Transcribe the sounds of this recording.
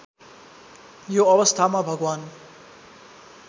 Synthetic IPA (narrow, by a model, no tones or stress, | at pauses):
joʌwʌst̪ʰamabʱʌɡwaːn